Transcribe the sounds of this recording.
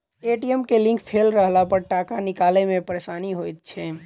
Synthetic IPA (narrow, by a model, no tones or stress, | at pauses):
eʈiəmkelɪ̃ŋkpʰeːlɾəɦlapəɾʈakanɪkaːlemẽpəɾeʃaːniɦojt̪̚t͡ʃʰɛ